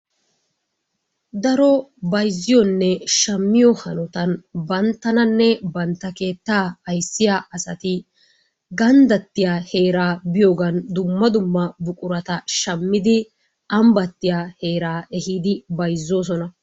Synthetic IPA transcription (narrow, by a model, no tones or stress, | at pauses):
d̪ɐɾɔbɐjzːɪjɔnːɛʃɐmːɪjɔhɐnɔt̪ɐnbɐnt̪ːɐnɐnːɛbɐnt̪ːɐke̞ːt̪ːaːɐjsːɪjaːʔɐsɐt̪ɪ | ɡɐnd̪ɐt̪ːɪjaːhe̞ːɾaːbɪjo̞ːɡɐnd̪ʊmːɐd̪ʊmːɐbʊkʼʊɾɐt̪ɐʃɐmːɪd̪ɪ | ɐmbɐt̪ːɪjaːhe̞ːɾaːʔɛhiːd̪ɪbɐjzːo̞ːs̬ɔnɐ